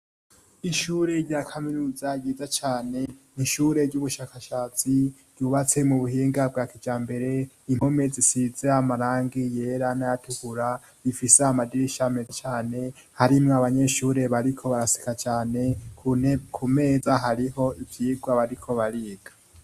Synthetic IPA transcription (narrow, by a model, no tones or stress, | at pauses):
iʃuɾe̞ɾɟaːkʰaminuːzaɟiːzat͡ʃaːne̞niʃuːɾe̞ɾɟuβuʃaːkaʃaːt͡si | ɟ̥uːβat͡se̞muβuɦiːŋɡab̚ɡaːkid͡ʒaːmbe̞ɾe̞ | imho̞me̞zisizeamaɾaːŋɡije̞ːɾanajatuhuɾa | βifiseamadiɾiʃamezet͡ʃaːne̞ | haɾimŋoaβaɲe̞ʃuːɾe̞βaɾikʰo̞βaɾasi̥kat͡ʃaːne̞kʰukʰume̞ːzaɦaɾiɦo̞ivjiːɡwaβaɾikʰo̞βaɾiːɡa